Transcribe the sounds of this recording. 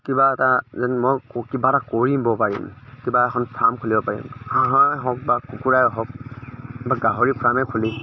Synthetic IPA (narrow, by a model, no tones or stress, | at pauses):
kibaɛtazɛnmɔjkibatakɔɹimbɔpaɹḭmkibaɛkʰɔnpʰamkʰulibɔpaɹḭmhãɦãɦɔ̃k̚bakukuɹajɔɦɔk̚ | baɡaɦɔɹipʰɹamɛkʰuli